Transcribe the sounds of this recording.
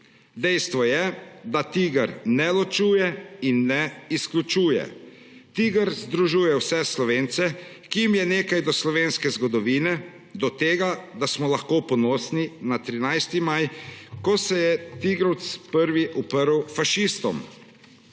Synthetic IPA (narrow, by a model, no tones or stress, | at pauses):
d̪ɛjst̪ʋɔjɛd̪at̪iːɡəɾnɛlɔt͡ʃuːjɛinːɛisklʲut͡ʃuːjɛ̰ | t̪iːɡəɾzd̪ɾuʒuːjɛwsɛslɔʋeːnt̪sɛ | kijimjɛneːkajd̪ɔslɔʋeːnskɛzɡɔd̪ɔʋiːnɛ | d̪ɔt̪eːɡad̪asmɔlaxkoːpɔnɔːsninat̪ɾinajst̪imajkɔsɛjɛt̪iɡɾɔwt̪spəɾʋiʔupəɾwfaʃist̪ɔ̰m